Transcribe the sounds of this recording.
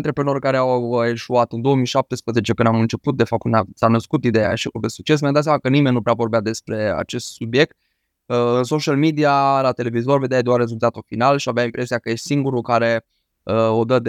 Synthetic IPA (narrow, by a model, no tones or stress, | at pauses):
nt̪ɾepɾeno̞rʲkaɾeawe̞ʃuat̪ɨnd̪o̞womijʃap̚t̪espɾəzet͡ʃe̞kɨnd̪amɨnt͡ʃe̞put̪̚d̪e̞fap̚t̪kɨnd̪asanəskut̪id̪e̞ja̰ʃikud̪esu̥k̚t͡ʃe̞sməjnd̪at̪s̬ʲamakənime̞nʲnupɾeavo̞rbead̪e̞spɾe̞a̰t͡ʃe̞st̪subje̞k̚t̪̚ | ənso̞ʃalmid̪ialat̪e̞le̞vizo̞rve̞d̪ead̪earːe̞zult̪at̪ulfinalʃiaveaimpɾe̞siakəesiŋɡuɾukaɾe̞ | əo̞d̪əd̪